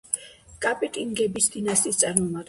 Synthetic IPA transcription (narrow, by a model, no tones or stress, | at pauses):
kʼapʼit̪ʼiŋɡɛbisd̪inasist̪sʼaɾmɔmad̪̥